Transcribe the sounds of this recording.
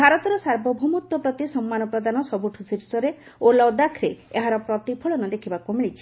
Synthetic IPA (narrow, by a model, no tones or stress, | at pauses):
bʱaɾɔt̪ɔɾɔsaɾbɔbʱumut̪ːɔpɾɔt̪isɔmːanɔpɾɔd̪anɔsɔbuʈʰusiɾsɔɾe | olɔd̪akʰɾeeɦaɾɔpɾɔt̪ipʰɔɭɔnɔd̪ekʰibakumiɭit͡ʃʰi̥